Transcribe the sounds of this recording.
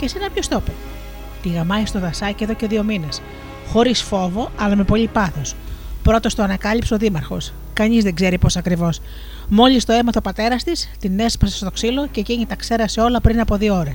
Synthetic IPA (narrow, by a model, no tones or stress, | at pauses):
cesenɐpçost̪o̞pe | t̪iɣɐmɐist̪o̞ðɐsɐceðo̞ce̞ðio̞mines | xo̞ɾisfo̞vo̞ɐlɐme̞po̞ʎipɐθo̞s | pɾo̞t̪o̞st̪oɐnɐkɐlipseo̞ðimɐɾxo̞̰s | kɐɲizðe̞ɡze̞ɾipo̞sɐkɾivo̞s | mo̞list̪o̞e̞mɐt̪o̞pɐt̪e̞ɾɐst̪ist̪ine̞spɐsest̪o̞ksilo̞ce̞ciɲit̪ɐkse̞ɾɐseo̞lɐpɾinɐpo̞ðiooɾes